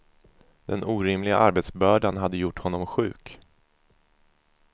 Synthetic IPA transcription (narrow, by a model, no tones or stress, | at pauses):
d̪̥ɛnuːɾɪmlɪɡa̰ʔaɾbeːt̪sbœːɖanɦad̪ːəjʊʈːhɔnːɔmɧʉ̟̰ːk